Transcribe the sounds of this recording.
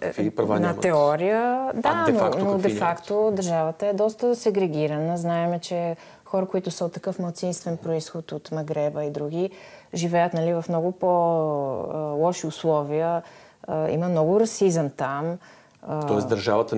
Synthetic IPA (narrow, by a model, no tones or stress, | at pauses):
ipɾɐvanɐt̪ɛɔɾijəd̪aɛnoanodd̪ɛfakt̪od̪əɾʒavət̪əɛd̪ɔst̪əsɛɡɾɛɡʲiɾənəznaɛmɛt͡ʃɛ | xɔɾəkoit̪ʊsəot̪ːɐkɤfmɐlˠt̪sinst̪vɛnpɾoisxʊt̪ot̪mɐɡɾɛbəid̪ɾuɡiʒivɛjət̪nɐlivɐfmnɔɡʊpo | lˠɔʃiʊslˠɔviə | ḭməmnɔɡʊɾɐsizəmt̪am | ət̪ɔɛsd̪əɾʒavət̪ə